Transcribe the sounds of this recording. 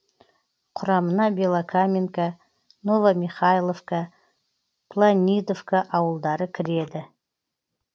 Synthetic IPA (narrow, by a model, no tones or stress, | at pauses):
qʰʊɾɑmənɑbʲelˠakʰamʲinka | novamʲiχajlˠofka | pʰlˠanʲijd̪ofkaʔɑwəlˠd̪ɑɾəkʲʰɪɾed̪ɪ